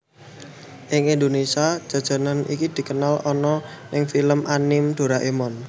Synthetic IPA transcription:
ʔɪŋind̪onesiḁd͡ʒ̥ä̤d̥ʒ̥a̤nanḭkid̪̥i̤kənalɔnɔnɪŋfiləmʔanɪmd̪̥o̤ɾaʔemɔn

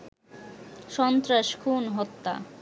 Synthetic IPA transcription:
ʃɔnt̪ɾaʃkʰunɦɔt̪ːa̰

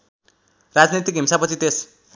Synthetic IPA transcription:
rad͡znit̪ikɦimsapʌt͡sʰit̪es

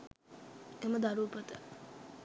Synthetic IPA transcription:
eməd̪aɾuːpət̪ə

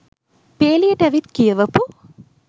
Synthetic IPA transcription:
peːlijɐʈæʋit̪kijɐʋɐpu

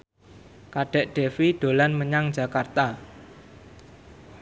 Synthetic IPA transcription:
kaɖ̥ɛ̤ʔɖ̥efiɖ̥o̤lanməɲaŋ̥d͡ʒa̤kart̪a

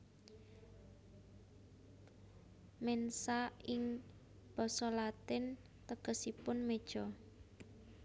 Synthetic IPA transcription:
mɛnsaɪŋ | b̥ɔ̤sɔlat̪ɪn | t̪əɡ̥ə̤sipʊnmed̥ʒ̥ɔ

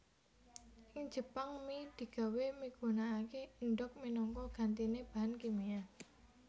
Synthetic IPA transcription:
ʔɪŋd͡ʒ̥ə̤paŋmid̪̥i̤ɡ̥a̤wemiɡ̥ṳnaːkeɳɖɔk̚minɔŋkɔɡ̥a̤nt̪ineb̥a̤ɦankimia

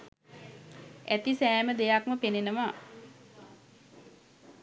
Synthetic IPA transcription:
æt̪isɛːməd̪ejakməpenenəʋaː

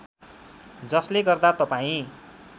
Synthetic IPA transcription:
d͡zʌsleɡʌrd̪at̪ʌpaĩ

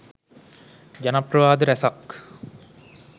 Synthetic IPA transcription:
d͡ʒanaprəʋaːd̪əɾæsak

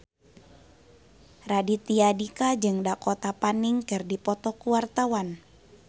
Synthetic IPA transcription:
radit̪iadikad͡ʒɨŋdakɔt̪apaniŋkɨrdipɔt̪ɔkuwart̪awan

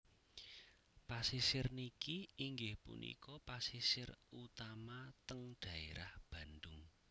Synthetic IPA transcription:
pasisɪrnikiiŋɡɪhpṵnʔḭkɔpasisɪrut̪amat̪əŋdɖ̪̥ä̤eɾahb̥ä̤nd̪ʊŋ

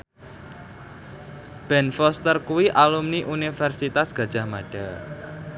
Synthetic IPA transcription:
b̥ɛnfɔst̪ərkuwiʔalumniʔunifɛrsit̪asɡ̥ä̤d̥ʒ̥a̤hmaɖ̥a

